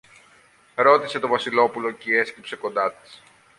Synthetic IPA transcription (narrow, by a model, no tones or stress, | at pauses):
ɾo̞t̪ise̞t̪o̞vɐsilo̞pulo̞cee̞scipse̞ko̞nd̪ɐt̪i̥s